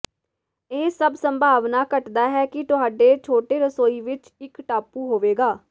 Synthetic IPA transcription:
eːsəbsəmbʱaːʋnaːkəʈd̪aːɦɛːkɪt̪ʊɦaːɖeːt͡ʃʰoːʈeːɾəsoːiːʋɪt͡ʃ | ɪkʈaːpuːɦoːʋeːɡaː

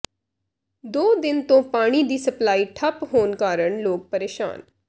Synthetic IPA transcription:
d̪oːd̪ɪnt̪õːpaːɽ̃iːd̪iːsəplaːiːʈʰəpɦoːnkaːɾəɳloːk̚pəɾeːʃa̰ːn

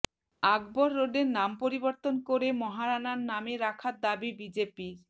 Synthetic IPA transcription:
aɡboɾːoɖeɾnampoɾiboɾt̪onkoɾemɔɦaɾanaɾnameɾakʰad̪abibid͡ʑepiɾ

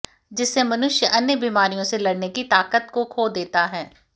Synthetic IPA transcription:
d͡ʒɪsːemɐnʊʃjəʔɐnjəbiːmaːɾijõselɐɽnekit̪aːkət̪kokʰoːd̪eːt̪aɦɛː

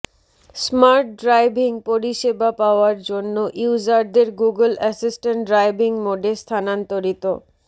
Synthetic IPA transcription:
smaɾʈ̚ɖɾajbʱiŋpoɾiʃebapaoaɾd͡ʑonːoʔiud͡ʑaɾd̪eɾɡuɡəlɛsisʈeɳʈ̚ɖɾajbiŋmoɖest̪ʰanant̪oɾit̪o

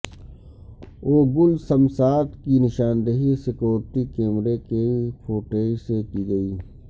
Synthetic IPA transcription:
oːɡʊlsɐmsaːt̪kinɪʃaːnd̪əɦisɪkoːɾʈ̪ikẽːmɾekepʰoːʈeːsekiɡɐiː

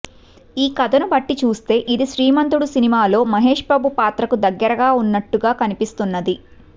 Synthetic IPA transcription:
iːkɐd̪ɐnubɐʈːit͡ʃuːst̪e̞ːʔid̪iʃɾiːmɐnt̪̬uɽusinimaːlo̞ːmɐɦe̞ːʂbaːbupaːt̪ɾɐkud̪ɐɡːɐɾɐɡaːunːɐʈːuɡaːkɐnipist̪unːɐd̪i

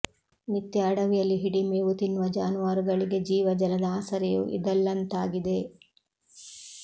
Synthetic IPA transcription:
mit̪ːjɐːɽɐʋijɐlːiɦiɽimeːʋut̪inːʋɐd͡ʒaːnuʋaːɾuɡɐɭiɡe̞d͡ʒiːʋɐd͡ʒɐlɐd̪aːsɐɾɛjṵʔḭd̪ɐlːɐnt̪aːɡid̪e̞

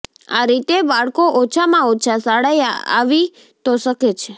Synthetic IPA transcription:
a̰ɾit̪ebaɭkoʔot͡ʃʰamãot͡ʃʰasaɽajaa̰ʋi | t̪oʃəket͡ʃʰe

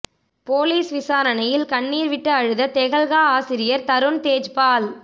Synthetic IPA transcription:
poːliːsʋɪsaːɾɐnɐjɪlkɐɳːiːɾʋɪʈːɯɐɻɯðɐt̪ɛɣɐɭɣaːaːsɪɾɪjɐɾt̪ɐɾɯɳt̪eːd͡ʒpaːl

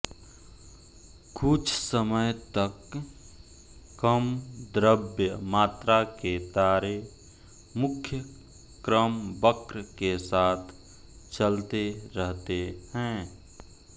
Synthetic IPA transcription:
kʊt͡ʃʰsəməjt̪ək | əmd̪ɾəbjəmaːt̪ɾaket̪aːɾe | mʊkʰjə | kɾəmbəkɾkesaːt̪ʰ | t͡ʃəlt̪eɾəɦt̪ehɛ̃ː

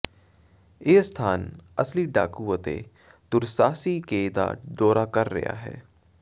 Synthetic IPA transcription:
eːst̪ʰaːnɐsliɖa̰ːkuət̪ḛ | d̪ʊɾsaːsikeːd̪a̰ːɖɔːɾakɐɾːɐ̰ja̰ɦɛ̰ː

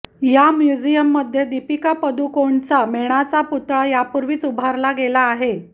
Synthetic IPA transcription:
jamjud͡ʑijəmːəd̪ʱjed̪ipikapəd̪ukoɳt͡sameɽ̃at͡saput̪ɾajapuɾʋiːt͡subʱaɾlaɡelaːɦe

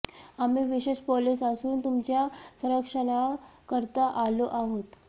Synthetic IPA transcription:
amiʋiɕeʂpɔlisasuːnt̪umt͡ɕjasə̃ɾəkʂəɽ̃akəɾt̪aʔaloʔaɦot̪

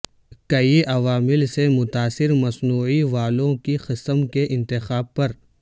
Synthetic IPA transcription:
kɐiʔɐʋaːmɪlsemʊt̪aːsɪɾmɐsnuːʕiʋaːlõkixɪsəmkeʔɪ̃nt̪ɪxaːb̚pɐɾ

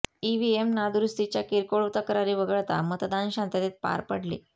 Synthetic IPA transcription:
iʋiemnad̪ɾust̪it͡ɕjakiɾkoɭʋt̪akəɾaɾiːʋəɡəɭt̪a̰mət̪d̪anɕãnt̪at̪et̪̚pa̰ɾpəɽlḛ

